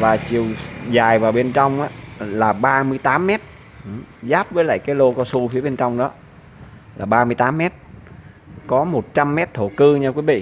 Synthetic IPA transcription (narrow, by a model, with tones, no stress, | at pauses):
vaː˨˩t͡ɕi˨˩əwzaː˨˩jvaː˨˩wɓe˧nt͡ɕɔ˧wŋ͡mʔaː˨˧˦laː˨˩ɓaː˧mɨ˧əjt̪aː˨˦mːɛ˦˥t̚ | zaː˦˥p̚vəː˨˦jla̰ː˧˨jkaː˨˦jlo˧kɔ˧su˧fi˨˦əɓe˧nt͡ɕɔ˧wŋ͡mɗɔ˨˦ | laː˨˩ɓaː˧mɨ˧jt̪aː˨˦mːɛ˦˥t̚ | kɔ˨˦mo˨˩t̚t͡ɕa˧mːɛ˦˥t̚t̪ʰo˧˩kɨ˧ɲaː˧kwi˨˦˥vḭ˧˨